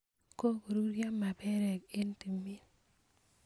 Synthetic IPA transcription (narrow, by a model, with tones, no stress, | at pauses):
ko˦ko˨ɾu˦ɾja˦mːa˨bɛ˦ɾɛ˨ke˦nti˨mi˦n